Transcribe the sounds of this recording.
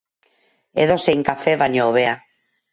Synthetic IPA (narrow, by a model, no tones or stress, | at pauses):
ḛðoseŋkafeβaɲoːβea